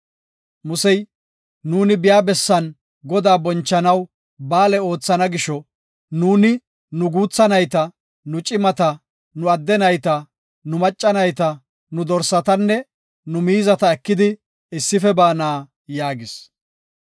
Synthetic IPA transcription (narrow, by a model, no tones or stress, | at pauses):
mʊsɛj | nuːnɪbɪjaːbɛsːɐn | ɡɔd̪aːbɔnt͡ʃːɐnɐw | baːlɛo̞ːt͡sːɐnɐɡɪʃɔ | nuːnɪ | nʊɡuːt͡sːɐnɐjt̪ɐ | nʊt͡ʃʼɪmɐt̪ɐ | nʊɐd̪ːɛnɐjt̪ɐ | nʊmɐt͡ʃʼːɐnɐjt̪ɐ | nʊd̪ɔɾsɐt̪ɐnːɛ | nʊmiːzɐt̪ɐɛkːɪd̪ɪ | ɪsːɪfɛbaːnaː | jaːɡɪs